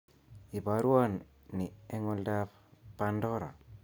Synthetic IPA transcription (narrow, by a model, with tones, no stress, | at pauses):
i˨ba˨ɾwa˦nː | i˨ɛ˦ŋɔ˦ldaf | pandɔɾa̰˨